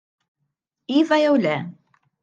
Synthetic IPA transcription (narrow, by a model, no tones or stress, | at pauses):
ivæjæwlæ